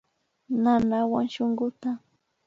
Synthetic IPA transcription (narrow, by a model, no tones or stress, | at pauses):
nanawa̰ŋʃoŋɢʊt̪a